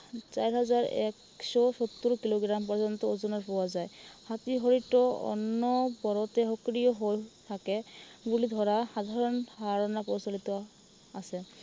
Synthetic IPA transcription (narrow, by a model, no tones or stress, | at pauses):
sajɹɦazaɹɛ̰k | sɔsɔt̪ːuɹkiloɡɹampɔɹzɔnt̪ɔozɔnaɹpɔwazajhat̪iɦɔɹitɔɔ̰nːɔbɔɹɔt̪ɛɦɔkɹijɔɦojt̪ʰakɛbulid̪ʱɔɹaxad̪ʱaɹɔnhaɹɔnapɔsɔlit̪ɔ | asɛ